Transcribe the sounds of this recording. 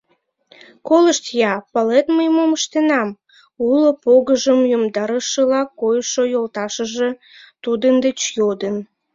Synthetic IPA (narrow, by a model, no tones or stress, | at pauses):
koləʃt̪jɑpɑlet̪məjmoməʃt̪enɑm | ulopoɣəʒəmjomd̪ɑɾəʃəlɑkojʃojolt̪ɑʃəʒe̽ | t̪ud̪ənd̪et͡ɕjod̪ən